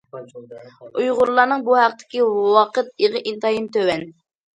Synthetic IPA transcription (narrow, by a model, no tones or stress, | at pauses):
ujʁʊɾlˠːɑɾnɨŋbuhæqt̪ʰɪ̥kʲiwɑqət̪̚eʁəʔint̪ɑjint̪ʰøwɛn